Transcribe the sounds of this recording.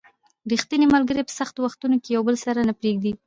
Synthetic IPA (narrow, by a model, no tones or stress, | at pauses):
ɾixt̪inemalɡəɾepə̥saxt̪owaxt̪unokejawbəlsaɾanapɾeɡ̚d̪i